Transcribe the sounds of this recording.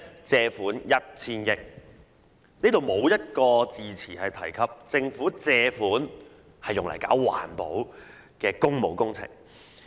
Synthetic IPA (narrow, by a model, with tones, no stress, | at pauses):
t͡sɛː˧fuː˨˥njɐ˥t̚t͡sʰiː˥njɪ˧k̚ | niː˥t̪o˨wmo˨˧wjɐ˥t̚kɔː˧t͡siː˨˧t͡sʰiː˨˩hɐ˨jt̪ʰɐ˨˩jkʰɐ˨p̚t͡sɪ˧ŋfuː˨˥t͡sɛː˧fuː˨˥n | hɐ˨jːʊ˨ŋlɐ̰˨˩jka̰ː˨˥wwa̰ː˨˩npo˨˥w | kɛː˧kʊ˥ŋmo˨˧wkʊ˥ŋt͡sʰɪ̰˨˩ŋ